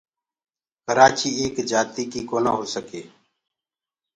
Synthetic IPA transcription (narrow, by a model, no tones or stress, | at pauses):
kəɾaːt͡ʃiːeːkd͡ʒaːt̪iːkiːkoːna̰ːɦoːsəkeː